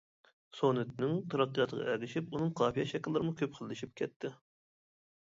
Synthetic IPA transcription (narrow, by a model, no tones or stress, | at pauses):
sonɨt̪nɪŋt̪ʰɑɾɑqːɨjɑt̪ʰəʁɑ̰ʔɛɡ̪ʲɪʃipunɨŋqʰɑːfijɛ̰ʃɛkʲɪlːɨɾɨmukʲʰøp̚qʰəlˠːɨʃip̚kʲʰɛt̪ʰːɪ